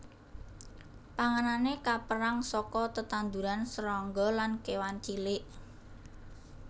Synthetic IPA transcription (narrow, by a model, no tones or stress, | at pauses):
paŋənanekapəɾaŋsɔkɔt̪ət̪and̪uɾansəɾɔŋɡɔlankewant͡ʃilɪʔ